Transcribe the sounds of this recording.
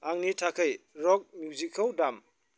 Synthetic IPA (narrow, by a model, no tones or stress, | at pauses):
aŋnitʰakʰɯjɾɔk̚mjuzikʰaldam